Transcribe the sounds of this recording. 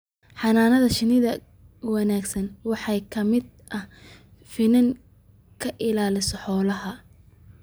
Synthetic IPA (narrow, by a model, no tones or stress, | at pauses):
ħɑnaːnɐðɐʃɪnɪðɐ | wɑnaːɡsɐnwɑħɑjkʰɐmɪd̪̚ | ʔɐh | fɪnɐŋ | kʰɐʔɪlaːlɪsɔħɔːlɐɦɐ